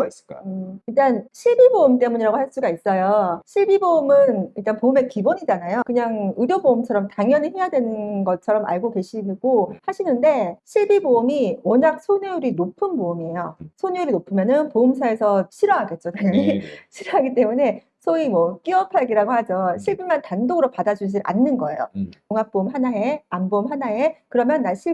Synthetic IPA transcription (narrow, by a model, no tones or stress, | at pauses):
isk͈aiɭt͈anɕʰiɭbiboumt͈e̞muɲiɾaɡohaɭs͈uɡais͈ʌjoɕʰiɭbiboɯmɯniɭt͈anpoɯme̞kiboɲid͡ʑanajokɯɲaŋudjoboumt͡ɕʰʌɾʌmtaŋjʌniçimjadwe̞nɯnɡʌt͡ɕʰʌɾʌmʔa̰ɭɡoɡe̞ɕʰiɡ̥ohaɕʰinɯnde̞ɕʰiɭbiboɯmiwʌɲak̚sʰoɲuuɾinopʰɯnboɯmie̞josʰonujuɾinopʰɯmjʌnɯnpoɯmsʰae̞sʰʌɕʰiɾʌɦaɡe̞t̚t͡ɕ͈okaɲaŋiɕʰiɾʌɦaɡit͈e̞mune̞ | sʰoimwʌk͈iʌpʰaɡiɾaɡohad͡ʑʌɕʰiɭbimantandoɡɯɾopadad͡ʑud͡ʑiɾʔa̰nːɯnɡʌe̞̰jo̰koŋak̚p͈oɯmɦanaeamboɯmɦanaekɯɾʌmjʌnːaɭɕʰi